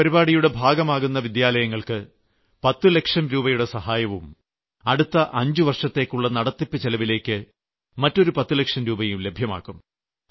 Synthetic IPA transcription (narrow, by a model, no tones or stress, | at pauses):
pɐɾibaːɽijuɽe̞bʱaːɡɐmaːɣunːɐʋid̪jaːlɐjɐŋːɐɭkɨ | pɐt̪ːɨle̞kʂɐmɾuːbɐjuɽe̞sɐhaːjɐʋum | ɐɽut̪ːɐʔɐɲd͡ʑuʋɐrʂɐt̪ːe̞ːkːuɭːɐnɐɽɐt̪ːipːɨt͡ɕelɐʋile̞ːkːɨ | mɐtːo̞ɾupɐt̪ːule̞kʂɐmɾuːbɐjumle̞bʱjɐma̰ːkːum